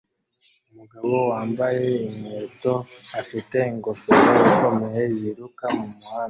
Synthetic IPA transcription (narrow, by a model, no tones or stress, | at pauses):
umuɡaβo̞waːmbaje̞ineːto̞afite̞iŋɡofisajiko̞me̞je̞jiɾukamumwaːna